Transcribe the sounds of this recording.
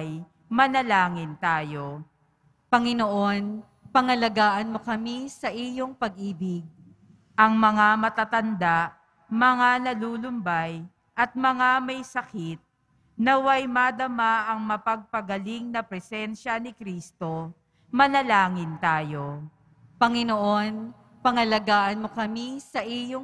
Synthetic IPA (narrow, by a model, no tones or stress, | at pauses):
j | mɐlɐlaːŋɪnt̪aːjo̞ | pɐŋɪnoʔo̞n | pɐŋɐlɐɡaːʔɐnmo̞kɐmisɐʔijoŋpɐɡ̚ʔiːbɪɡ̚ | ʔɐŋmɐŋamɐt̪at̪ɐnd̪aʔ | mɐŋanɐluːlʊmbaj | ʔɐt̪̚mɐŋamɐjsɐkit̪̚ | nɐwajmɐd̪ɐmaʔɐŋmɐpɐɡ̚pɐɡɐliŋnɐpɾɛsɛnʃɐnɪkɾiːst̪o | mɐlɐlaːŋɪnt̪aːjo̞ | pɐŋɪno̞ʔo̞n | pɐŋɐlɐɡaːʔɐnmo̞kɐmisɐʔijo